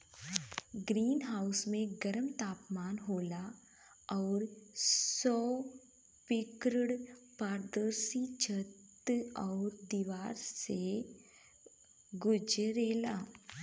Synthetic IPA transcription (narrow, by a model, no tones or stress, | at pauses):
ɡɾiːnɦaːʊsmẽɡɐɾəmt̪aːpmaːnɦoːla | ɔːɾsɔː | pɪkɾəɽpaːɾd̪əɾsit͡ʃʰət̪ɔːɾd̪iːʋaːɾse | ɡʊd͡ʒɾeːla̰ː